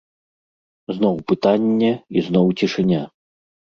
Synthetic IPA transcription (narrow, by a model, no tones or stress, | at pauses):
znɔwpɨt̪anʲːɛiznɔwt͡sʲiʂɨnʲa